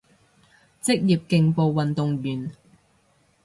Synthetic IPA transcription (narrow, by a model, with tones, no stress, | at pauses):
t͡sɪ˥k̚jiː˨p̚kɪ˧ŋpo˧wwɐ˨nt̪ʊ˨ŋjyː˨n